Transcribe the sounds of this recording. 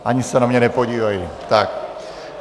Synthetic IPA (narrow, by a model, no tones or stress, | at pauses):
ʔaɲisɛnamɲɛnɛpoɟiːvajit̪ak